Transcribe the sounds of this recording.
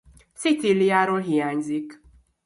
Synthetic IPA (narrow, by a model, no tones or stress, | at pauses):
sit͡silijaːɾolɦijaːɲzik